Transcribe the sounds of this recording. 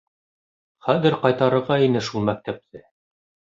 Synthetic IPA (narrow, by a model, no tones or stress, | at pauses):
χæðɘɾqɑjt̪ɑɾɤ̆ɾʁɑinɘʃulˠmæk̚t̪æp̚t̪ɘ